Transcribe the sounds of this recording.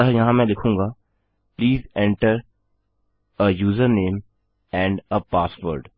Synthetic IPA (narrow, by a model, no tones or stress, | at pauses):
ɦɛjɐɦãmɛ̃lɪkʰũːŋɡaː | pliːzɛ̃ɳʈəɾ | əjuːzəɾnẽːm | ɛ̃ːɳɖəpaːsʋəɾɖ